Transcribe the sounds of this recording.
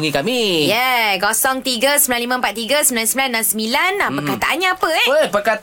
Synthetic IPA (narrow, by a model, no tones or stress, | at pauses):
ŋikamijɛɡɔsɔŋt̪iɡəsəmilanlimə̃mpat̪̚ːiɡəsəmbilansəmbilanːãnsəmilanapəkat̪aʔanɲãapəəpəka